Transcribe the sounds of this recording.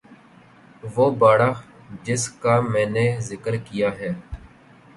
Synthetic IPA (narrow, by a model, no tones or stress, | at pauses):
ʋoːbaːɽax | d͡ʒɪskaːmɛ̃ːneːzɪkəɾkijaːɦɛː